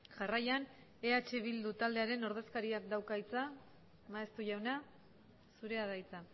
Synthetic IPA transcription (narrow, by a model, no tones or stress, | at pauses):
ʝarajan | e̞at͡ʃe̞β̞ild̪ut̪ald̪e̞aɾe̞no̞ɾðe̞skaɾiak̚d̪awkajt͡sa | maest̪uʝawna | suɾe̞aðajt͡sa